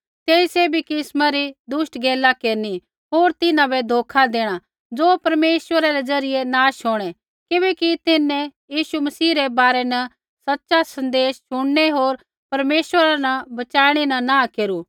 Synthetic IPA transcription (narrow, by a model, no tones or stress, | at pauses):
t̪eːĩsebʱikɪsmaɾid̪ʊsʈɡʱeːlakeːɾni | ɦoːɾt̪ɪnãbɛd̪ʱoːkʰad̪eːɽ̃a | d͡zoːpɐɾmeːsʋəɾaɾed͡zɐɾɪjenaːʃɦoːɽ̃ɛ | kɪbɛkit̪ɪnːɛ̃jiːʃumɐsiːɾebaːɾɛnɐ | sɐtːʃasɐ̃nd̪eːsʃʊɽneɦoːɾ | pɐɾmeːswəɾanɐbɐt͡ʃaːɽ̃enɐnãːkeːɾuː